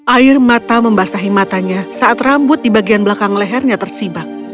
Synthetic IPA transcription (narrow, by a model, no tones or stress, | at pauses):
ʔaɪrmat̪aməmbasaɦimat̪aɲasaʔːt̪rambʊt̪̚dibaɡianbəlakaŋlɛɦɛrɲat̪ərsibak̚